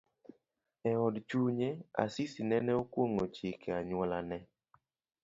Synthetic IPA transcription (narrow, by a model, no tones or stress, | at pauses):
ɛɔdt͡ʃuɲea̰sisinɛnɛokwoŋot͡ʃɪkeaɲwɔlanɛ